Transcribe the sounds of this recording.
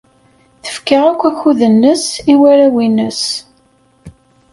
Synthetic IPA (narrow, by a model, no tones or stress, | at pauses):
θə̥fkaʁækʷːæçuðənːəsiwæɾæwinəs